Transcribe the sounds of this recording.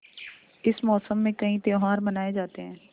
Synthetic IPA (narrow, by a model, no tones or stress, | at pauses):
ɪsmɔːsəmːẽkɐɦĩt̪eoɦaːɾbɐnaːed͡ʒaːt̪eɦɛ̃ː